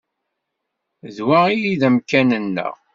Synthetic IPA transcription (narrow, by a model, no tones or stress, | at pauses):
ðwaʁijiðəmkænənːə̰ʁ